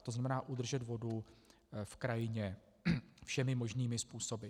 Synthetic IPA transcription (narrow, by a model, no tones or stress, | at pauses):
t̪oznamɛnaːʔud̪r̩ʒɛt̪vo̞du | fkɾajɪɲɛ | fʃɛmɪmo̞ʒniːmɪspuːso̞bɪ